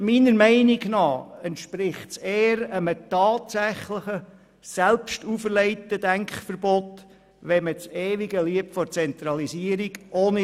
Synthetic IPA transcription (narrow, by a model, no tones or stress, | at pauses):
miːnəɾmɛɪniɡnɑːɛntʃpɾɪχtseːəɾəmətɑːtsæχləχə | sɛlpʃtufəɾlɛɪtəd̥æŋkχfərbɔt̪ | ʋɛmət͡seːʋiɡəliəp̚tfɔɾt͡sɛnt̪ɾɑlisiəɾiɡoːnə